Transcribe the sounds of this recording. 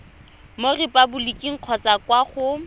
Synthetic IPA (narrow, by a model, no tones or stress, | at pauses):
morɪpʼabʊlikʼiŋ̩q͡χʰɔt͡sakwaχʊ